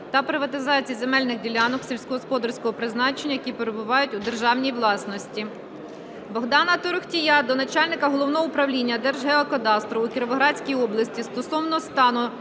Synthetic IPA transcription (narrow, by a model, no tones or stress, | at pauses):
t̪ɐpɾɪʋɐt̪ɪzɑt͡sʲijize̞mɛlʲnɪxdʲilʲɑnɔksʲilʲsʲkɔɦɔspɔd̪ɐrsʲkɔɦɔpɾɪznɑt͡ʃenʲːɐjɐkʲipeɾebʊʋɑjʊtʲʊd̪e̞rʒɑwnʲijwlˠɑsnɔsʲtʲi | bɔɦd̪ɑnɐt̪ɔɾʊxtʲijɑd̪ɔnɐt͡ʃɑlʲnɪkɐɦɔlˠɔwnɔɦɔʊpɾɐwlʲinʲːɐd̪ɛrʒɦɛɔkɐd̪ɑst̪ɾɔukʲɪɾʋɔɦɾɑt͡sʲkʲijɔblˠɐsʲtʲist̪ɔsɔwnɔɔst̪ɑnʊ